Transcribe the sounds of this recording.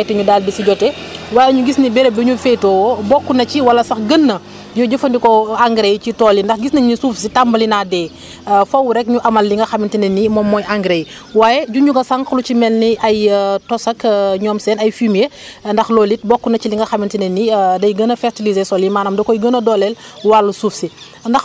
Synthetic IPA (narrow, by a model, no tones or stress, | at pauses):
ɛtːɛɲudaːlbisiɟɔtɛ | waːjɛɲuɡisnibɛɾebiɲufɛtɔːwbɔkːunɐciwɐlɐsɐxɡənːɐ | ɲuɟɐfɐndikɔaŋɡɾejcitɔːlːindɐxɡisnɐɲusuːfsitambɐlinadɛː | fɐwɾɛk̚ɲuʔɐmɐlːiŋɡɐxɐmintinɐnːimɔmːɔːjʔaŋɡɾej | waːjɛɟuɲuŋɡɐsɐŋklut͡ʃimɛlniʔɐjtɔsɐkɲɔːmsɛːnɐjfimjendɐxlɔlit̚bɔkːunɐciliŋɡɐxɐmintinɛnːidɐjɡənɐfɛɾtilizesɔlimaːnɐmdɐkɔjɡənɐdɔːlɛlwalːusuːfsi | ndɐx